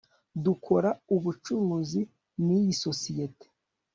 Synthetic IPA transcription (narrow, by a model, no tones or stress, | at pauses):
dukʰo̞ɾauβut͡ʃuɾuzi | nijiso̞sijete̥